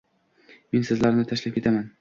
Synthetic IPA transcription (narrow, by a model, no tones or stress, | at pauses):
me̞nsɪzlaɾnɪt̪ʰaʃlap̚kʲʰe̞t̪ʰaman